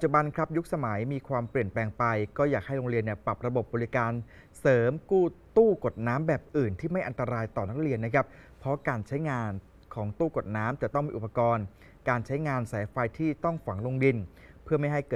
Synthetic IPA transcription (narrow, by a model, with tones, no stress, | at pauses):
pa˨˩t̚t͡ɕu˨˩ba˧nkʰɾa˦˥p̚ju˦˥k̚sa˧ma˩˦jmiː˧kʰwaː˧mpli˨˩ənplɛː˧ŋpa˧jkɔː˥˩jaː˨˩k̚ha˥˩jɾo˧ŋɾi˧ənːi˧˩pɾa˨˩p̚ɾa˧bo˨˩p̚bɔː˧li˦˥kaː˧n | sɤː˩˦mkuː˥˩t̪uː˥˩ko˨˩t̪̚naː˦˥mbɛː˨˩p̚ʔɯː˨˩nt̪ʰiː˥˩ma˥˩jʔa˧nt̪a˧ɾaː˧jt̪ɔː˨˩na˦˥k̚ɾi˧ənːa˦˥kʰɾa˦˥p̚ʰːɾɔ˦˥kaː˧nt͡ɕʰa˦˥jŋaː˧n | kʰɔː˩˦ŋt̪uː˥˩ko˨˩t̪̚naː˦˥mt͡ɕa˨˩t̪ɔ˥˩ŋmiː˧ʔu˨˩pːa˧kɔː˧n | kaː˧nt͡ɕʰa˦˥jŋaː˧nsɛː˩˦jfa˧jt̪ʰiː˥˩t̪ɔ˥˩ŋfa˩˦ŋlo˧ŋdi˧n | pʰɯ˥˩ɐma˥˩jɦa˥˩jkɤː˨˩